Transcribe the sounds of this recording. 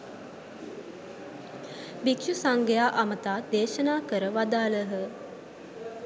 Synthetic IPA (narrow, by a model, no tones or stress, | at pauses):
bikʃusaŋɡəjaːʔamət̪aːd̪eːʃənaːkəɾəʋad̪aːləɦə